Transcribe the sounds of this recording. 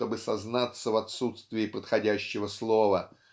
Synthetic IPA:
tobɨsɐznat̪sːəvɐt̪sut̪st̪vʲɪːpət̪xɐdʲæɕːɪvəslˠovə

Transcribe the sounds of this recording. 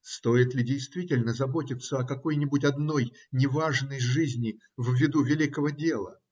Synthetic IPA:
st̪o̞ɪt̪lʲɪdʲɪjst̪vʲitʲɪlʲnəzɐbotʲɪt̪sːəɐkɐko̞jnʲɪbʊtʲɐd̪no̞j | nʲɪvaʐnəjʐɨzʲnʲɪ | vːʲɪd̪uvʲɪlʲikəvədʲe̞lˠə̰

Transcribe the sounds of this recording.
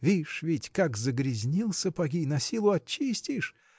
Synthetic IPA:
vʲiʂvʲɪtʲkakzəɡɾʲɪzʲnʲilˠsʲəpɐɡʲinɐsʲilˠʊɐt͡ɕːisʲtʲɪʂ

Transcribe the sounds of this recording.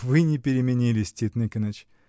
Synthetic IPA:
vɨnʲɪpʲɪɾʲɪmʲɪnʲilʲɪsʲtʲit̪nɨkʲənət͡ɕ

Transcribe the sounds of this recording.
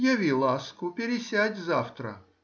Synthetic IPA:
jɐvʲilˠaskʊpʲɪɾʲɪsʲædʲzaft̪ɾə̰

